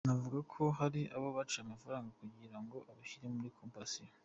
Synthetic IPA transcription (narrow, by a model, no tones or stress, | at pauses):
navuɡakʰo̞ɦaɾiʔaβaβat͡ʃiamafaɾaːŋɡakuɡiɾaŋɡo̞ʔaβaçiɾemuɾikʰompasi